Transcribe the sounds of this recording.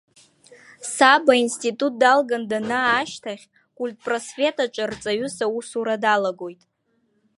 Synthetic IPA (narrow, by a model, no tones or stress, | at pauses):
sabainstʼitʼut̚dalɡandanaːʃtʰaχʲ | kʷʼulʲtʼpʼrosve̞tʼaʈ͡ʂʷʼart͡sʼaɥʊsausuɾadalaɡo̞jtʼ